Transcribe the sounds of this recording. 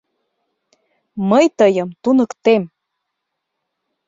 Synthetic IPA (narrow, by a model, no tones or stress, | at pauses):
məjt̪ɤjəmt̪unə̆kt̪em